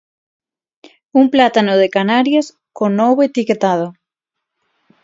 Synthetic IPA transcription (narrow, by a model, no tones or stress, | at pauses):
umplat̪anoðekanaɾjas | konowβoet̪iket̪að̞o